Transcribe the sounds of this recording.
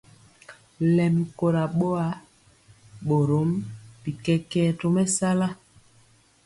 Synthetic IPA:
lɛ˨m˨ko˨ɾa˨ɓo˦a˨˦ | ɓo˨ɾo˨˦m˦pi˨kɛ˦kɛ˦to˦mɛ˦sa˦la˦

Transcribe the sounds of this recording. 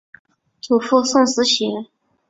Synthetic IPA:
t͡su˨˩fu˥˧sʊ˥˩ŋsɹ̩˧˥ɕi˧˥

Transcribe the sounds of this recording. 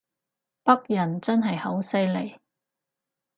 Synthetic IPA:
pɐ˥k̚jɐ˨˩nt͡sɐ˥nɦɐ˨jhɐ˨˥wsɐ˥jle˨˩j

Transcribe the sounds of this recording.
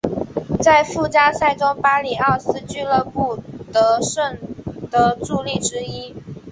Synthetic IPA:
t͡sa˥˧ɪfu˥˩t͡ɕja˥sa˥˩ɪʈ͡ʂʊ˥ŋpa˥li˨˩ɑ˥˩sɹ̩˥t͡ɕy˥lə˥˧pu˥˩t̪ɤ˧˥ʂə˥˩ŋt̪ə˧ʈ͡ʂu˥˧li˥˩ʈ͡ʂɻ̩˥i˥

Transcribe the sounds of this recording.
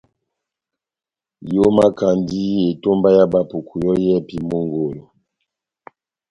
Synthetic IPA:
jo˦ma˦ka˨ndi˦je˨to˦mba˦ja˦ba˨pu˨kʰu˨jɔ˦jɛ˦pi˨mo˦ŋɡo˨lo˨

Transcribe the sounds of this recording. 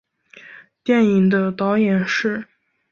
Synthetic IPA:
t̪jɛ˥˩ni˨˩ŋd̪ə˦t̪ɑ˧˥ʊjɛ˨˩nʂɻ̩˥˩

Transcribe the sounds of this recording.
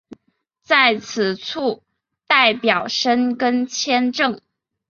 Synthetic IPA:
t͡sa˥˩ɪt͡sʰɹ̩˨˩t͡sʰu˥˩ | t̪a˥˩ɪpjɑ˨˩ʊʂə˥nkə˥nt͡ɕʰjɛ˥nʈ͡ʂɤ˥˩ŋ

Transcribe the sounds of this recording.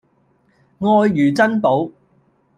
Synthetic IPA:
ŋɔː˧jːyː˨˩t͡sɐ˥npo˨˥w

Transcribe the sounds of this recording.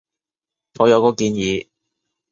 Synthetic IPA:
ŋɔː˨˧jɐ˨˧wkɔː˨˥kiː˨˧njiː˨˧

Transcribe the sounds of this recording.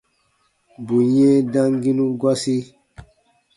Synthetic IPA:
bu˨ɲɛ̃˦dã˦ŋɡi˦nũ˦ɡwa˦si˦

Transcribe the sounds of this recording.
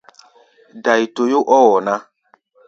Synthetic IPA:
da˨i˨to˨jo˦ʔɔ˦wɔ˨na˦

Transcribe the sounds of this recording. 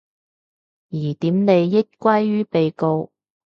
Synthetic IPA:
jiː˨˩t̪iː˨˥mne˨˧jːɪ˥t̚kʷɐ˥jɥyː˥pe˨jko˧w

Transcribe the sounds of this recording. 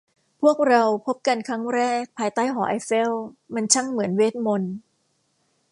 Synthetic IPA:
pʰu˥˩ək̚ɾa˧wpʰo˦˥p̚ka˧nkʰɾa˦˥ŋɾɛː˥˩k̚pʰaː˧jt̪aː˥˩jɦɔː˩˦ʔa˧jfe˥˩wma˧nt͡ɕʰa˥˩ŋmɯ˩˦ənweː˦˥t̪̚mo˧n

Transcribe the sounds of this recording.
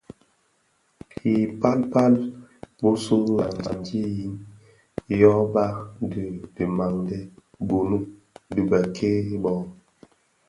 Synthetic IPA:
hi˨pa˦lpa˦lbo˦so˦la˨ŋ˨a˨ndje˦ji˦n | jɔ˦ba˦kdə˨di˨ma˨ŋdɛ˦ | bo˨nu˦ | dɨ˨ɡa˨kʰe˦bɔ˦˨

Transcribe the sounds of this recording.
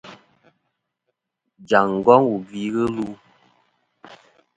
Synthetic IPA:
d͡ʒa˨ŋ̩˨ɡɔ˦ŋwu˨ɡi˨˦ɣə˦lu˦

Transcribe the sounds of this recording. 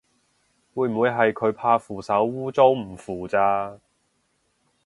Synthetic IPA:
wuː˨˧jm̩˨wu˨˧jɦɐ˨jkʰɵ˨˧ɥpʰaː˧fuː˨sɐ˨˥wːuː˥t͡so˥wm̩˨˩fuː˨˩t͡saː˧

